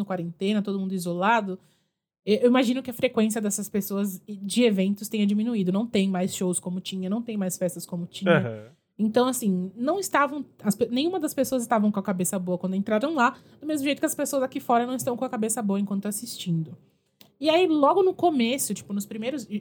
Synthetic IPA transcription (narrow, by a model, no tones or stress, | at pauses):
ʊkwaɾẽnt̪ẽnɐt̪od̪ʊmũd̪ʊizolad̪ʊ | ewewimaʒĩnʊkɪɐfɾekwẽsiɐd̪ɛsɐspesoɐzd͡ʒɪevẽnt̪ʊst̪ẽɲ̃ɐd͡ʒimĩnuid̪ʊnɐ̃w̃t̪ẽj̃majsʃowskõmʊt͡ʃĩɲɐnɐ̃w̃t̪ẽj̃majsfɛst̪ɐskõmʊt͡ʃĩɲɐ | ẽnt̪ɐ̃w̃asĩnɐ̃w̃ɪst̪avɐ̃w̃ɐspenẽj̃ũmɐd̪ɐspesoɐzɪst̪avɐ̃w̃kõɐkabesɐboɐkwɐ̃nd̪ʊẽnt̪ɾaɾɐ̃w̃la | d̪̥ʊmezmʊʒejt̪ʊkɐspesoɐzakifɔɾɐnɐ̃w̃ɪst̪ɐ̃w̃kõɐkabesɐboɐẽŋkwɐ̃nt̪ʊasist͡ʃĩnd̪ʊ | iailɔɡʊnʊkomesʊt͡ʃi̥pʊnʊspɾimejɾʊz